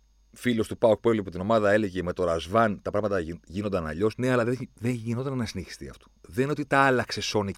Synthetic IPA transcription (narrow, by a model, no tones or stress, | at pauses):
filo̞st̪upɐuk̚pueliɐpot̪ino̞mɐðɐe̞leʝe̞me̞t̪o̞ɾɐzvɐnt̪ɐpɾɐɣmɐt̪ɐʝinond̪ɐnɐʎo̞sne̞ɐlɐðeðeɲʝino̞nt̪ɐnnɐsineçi̥st̪iɐ̰ft̪o̥ðenineot̪it̪ɐɐlɐkse̞so̞ni